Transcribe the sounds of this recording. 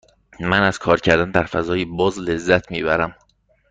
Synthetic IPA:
mænæz̥kʰɒːɾcʰæɾd̪ænd̪æɾfæzɒːjibɒːzle̞zːæt̪ʰmiːbæɾæm

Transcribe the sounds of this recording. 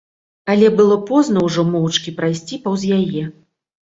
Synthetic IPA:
ɐlʲɛbɨlˠɔpɔznɐwʐɔmɔwt͡ʂkʲipɾajsʲt͡sʲipɐwzʲjajɛ

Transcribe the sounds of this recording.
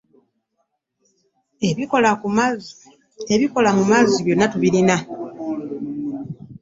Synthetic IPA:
eβikola | eβiko̞lamumaziβjo̞nːatuβiɾina

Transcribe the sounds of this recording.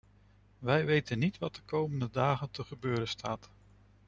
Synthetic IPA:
ʋɛjʋejtənːitʋɑt̚dəkowməndədaːχəntəχəbøːɾəstʰaːt

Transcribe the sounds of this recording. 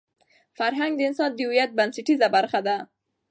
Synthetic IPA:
faɾɦaŋɡ̚d̪əɪnsɑnd̪əwijat̪̚bansɪʈizabaɾxad̪a

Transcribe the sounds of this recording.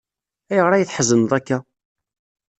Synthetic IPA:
æjəʁɾˤæjəθħəzːənðˤækːæ

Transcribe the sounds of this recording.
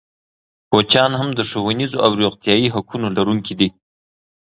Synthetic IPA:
pot͡ʃɑnhamd̪əʂowanizoawɾjoqt̪jɑiɦakunolaɾuŋkid̪i

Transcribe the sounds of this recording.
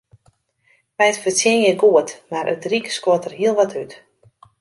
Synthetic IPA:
ʋɛjtfərsjɛnjəɡuətmarʔə̰trikskoətərɦiəlˠʋɔtʰyt

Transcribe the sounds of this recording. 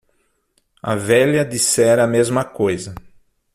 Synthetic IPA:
ɐ̰vɛʎɐd̪isɛɾɐmezmɐkojzɐ

